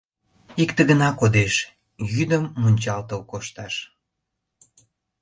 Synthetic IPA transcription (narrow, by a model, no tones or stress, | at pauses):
ikt̪əɣənɑkod̪eʃ | jyd̪əmːunʲt͡ɕɑlt̪əlkoʃt̪ɑʃ